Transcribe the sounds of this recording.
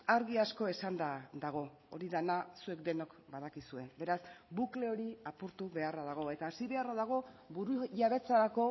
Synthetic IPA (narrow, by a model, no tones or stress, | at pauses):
aɾɣiasko̞e̞sand̪ad̪aɣ̞o̞ | oɾiðanasue̞kd̪e̞no̞kbað̞akisue̞be̞ɾasbukle̞o̞ɾiapuɾt̪uβe̞araðaɣ̞o̞e̞t̪aːsiβe̞araðaɣ̞o̞buɾuʝaβe̞t͡saɾako̞